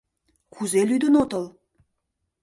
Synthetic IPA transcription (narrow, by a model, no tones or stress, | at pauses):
kuzelyd̪ə̆not̪ə̆lˠ